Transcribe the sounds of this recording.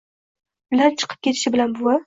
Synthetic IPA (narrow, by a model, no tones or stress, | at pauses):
bɪlant͡ʃʰɨ̥qʰɨp̚kʲet̪ʰɪʃɪbɪlanbʊwa